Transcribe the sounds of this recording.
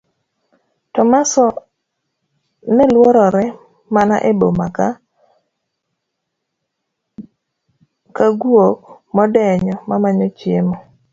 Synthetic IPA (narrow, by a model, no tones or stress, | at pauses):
tɔmasɔ | nɛlwoɾɔɾɛ | mana̰ʔebomaka | kaɡwok̚ | mɔdɛɲɔmamaɲɔt͡ʃjemɔ